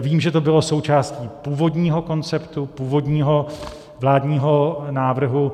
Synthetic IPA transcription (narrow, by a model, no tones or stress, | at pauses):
viːmʒɛt̪obɪlo̞so̞wt͡ʃaːsciːpuːvo̞dɲiːɦo̞ko̞nt͡sɛpt̪upuːvo̞dɲiːɦo̞ | vlaːdɲiːɦonaːvr̩ɦu